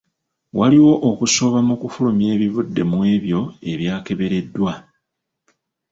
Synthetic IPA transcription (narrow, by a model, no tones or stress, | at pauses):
waliwo̞ʔokuso̞βamukufulumje̞ːβiβudːe̞mwe̞ːβjo̞e̞βjaːke̞βe̞ɾe̞dːwa